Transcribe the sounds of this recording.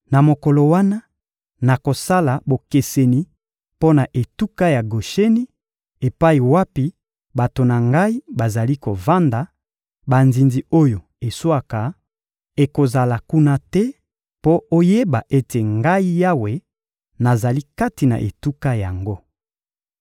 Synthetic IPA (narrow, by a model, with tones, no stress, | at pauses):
na˨mo˨kɔ˨lo˨wa˦na˦ | na˨ko˨sa˦la˨bo˨ke˨se˨ni˨ | po˦na˨ʔe˨tu˦ka˦ja˨ɡo˨ʃe˦ni˦ | e˨pa˦i˨wa˦pi˦ | ba˨to˨na˨ŋɡa˦i˦ba˨za˨li˦ko˨va˦nda˨ | ba˨nzi˨nzi˨o˦jo˨ | e˨swa˦ka˨ | e˨ko˨za˨la˨ku˦na˦tɛ˦ | po˦o˦je˦ba˨ʔe˦te˨ŋɡa˦i˦ja˦we˨ | na˨za˨li˦ka˦ti˨na̰˨ʔḛ˨tu˦ka˦ja˨ŋɡo˦